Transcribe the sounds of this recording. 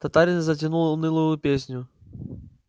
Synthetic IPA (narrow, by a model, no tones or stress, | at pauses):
t̪ɐt̪aɾʲɪnzɐtʲɪnulˠnɨlˠujjʊpʲesʲnʲʊ